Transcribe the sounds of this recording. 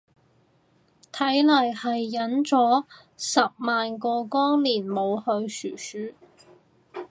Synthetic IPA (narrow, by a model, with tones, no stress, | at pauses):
t̪ʰɐ˨˥jlɐ˨˩jhɐ˨jːɐ˨˥nt͡sɔː˨˥ | sɐ˨p̚maː˨nkɔː˧kɔː˥ŋliː˨˩nmo˨˧whɵ˧ɥsyː˨˩syː˨˥